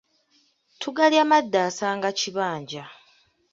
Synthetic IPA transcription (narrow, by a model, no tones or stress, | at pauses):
tʰuɡaljaːmadːaːsaːŋɡaciβaːɲɟa